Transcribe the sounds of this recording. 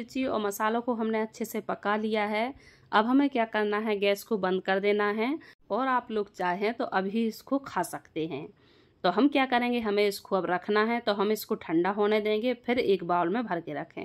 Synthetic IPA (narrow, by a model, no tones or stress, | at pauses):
ɪt͡ʃiɔ̰ːɾmɐsaːlõkoɦɐmneɐtːʃʰesepɐkalijaɦɛː | ɐbɦɐmẽkjaːkɐɾnaɦɛɡɛːskobə̃nd̪̚kɐɾd̪eːnaɦɛɔːɾaːploːɡt͡ʃaːɦẽt̪oʔɐbʱiɪskokʰaːsɐkt̪eɦɛ̰̃ː | t̪oːɦɐmkjaːkɐɾẽːŋɡeɦɐmẽɪskoɐbɾɐkʰnaɦɛt̪oɦɐmɪskoʈʰə̃ɳɖaɦoːned̪ẽːŋɡepʰɪɾeːkbaːlmẽbʱɐɾkeɾɐkʰḛ̃ː